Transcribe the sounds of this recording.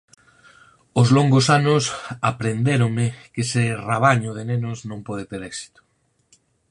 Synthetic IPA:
ʊzloŋɡʊsanʊsapɾend̪eɾʊŋmɪkesɪraβ̞aɲʊðɪnenʊsznõmpɔð̞ɪt̪eɾɛksi̥t̪ʊ̥

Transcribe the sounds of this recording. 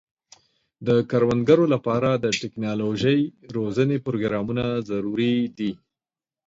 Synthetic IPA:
d̪əkaɾwand̪ɡaɾolapɑɾad̪əʈɪknɑloʒəjɾozənepɾoɡɾɑmunazaɾuɾid̪i

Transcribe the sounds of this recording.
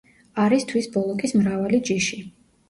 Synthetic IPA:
aɾist̪ʰwisbɔlˠɔkʼismɾavalid͡ʒiʃi

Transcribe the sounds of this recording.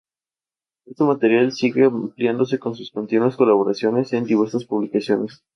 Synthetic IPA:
e̞st̪emat̪e̞ɾjalsiɣe̞ampljand̪o̞s̬e̞ko̞nsusko̞nt̪inwasko̞laβo̞ɾasjo̞ne̞se̞nd̪iβe̞ɾsaspuβlikasjo̞ne̞s

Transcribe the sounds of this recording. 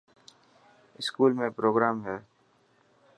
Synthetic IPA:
ɪskuːlmẽpɾoːɡɾaːmɦɛː

